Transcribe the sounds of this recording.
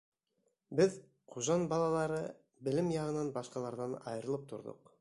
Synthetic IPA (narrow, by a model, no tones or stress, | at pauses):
bɘð | qʰuʒɑnbɑlˠɑlˠɑɾɤ | bɘ̆lɘmjɑʁɤ̆nɑnbɑʃqɑlˠɑɾðɑnɑ̰jɤɾɤ̆lˠɤp̚t̪ʰo̰ɾd̪ɤ̰q